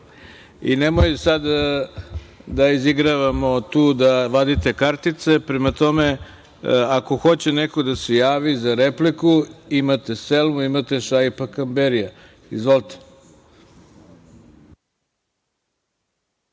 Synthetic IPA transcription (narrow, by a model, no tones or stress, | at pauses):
ḭnemojsad̪ | d̪aiziɡɾaʋamo̞t̪uːd̪aʋad̪it̪e̞kaɾt̪it̪se̞pɾemat̪o̞me̞ | ako̞xo̞t͡ɕenekod̪asejaːʋizaɾeplikuimat̪e̞selmuimat̪e̞ʃajpakambeɾija | izʋolt̪e̥